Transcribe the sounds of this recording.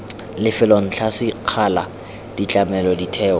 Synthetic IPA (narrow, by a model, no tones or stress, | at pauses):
lɪfɪlɔn̩ɬʰasɪq͡χʰala | d̥it͡ɬʼamɛlɔditʰɛːɔ